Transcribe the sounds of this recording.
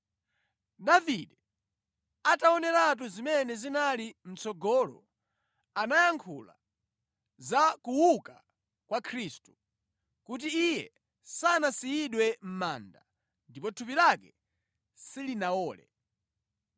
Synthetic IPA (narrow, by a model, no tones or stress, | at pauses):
daviɗɛ | ataɔnɛɾat̬uzimɛnɛzinalim̩t͡sɔɡɔlɔ̰ | anajaŋkʰṵla̰ | zakuwuka | kwakʰɾiːstu̥ | kut̬iːjɛ | sanasijiɗwɛm̩maːnda | ndip̬ɔtʰupilakɛ | silinawɔːlɛ̰